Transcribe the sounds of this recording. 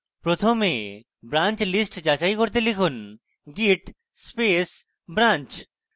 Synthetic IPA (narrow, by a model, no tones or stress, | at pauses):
pɾot̪ʰome | bɾant͡ɕlisʈd͡ʑat͡ɕajkoɾt̪̬elikʰun | ɡiʈ | spes | bɾant͡ɕ